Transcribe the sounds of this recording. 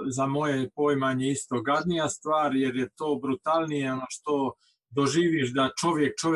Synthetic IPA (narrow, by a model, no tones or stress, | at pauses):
zamo̞jepojmaɲeist̪o̞ɡad̪nijast̪ʋaːɾjeɾjet̪o̞ːbɾut̪alˠnijeonoʃt̪o̞ | d̪oʒiːʋiʃd̪at͡ʃo̞ʋjek̚t͡ʃoʋ